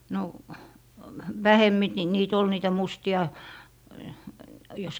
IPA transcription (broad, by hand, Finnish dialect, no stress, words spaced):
no ʋæhemːi t niːt ol niːtæ mustiɑ jos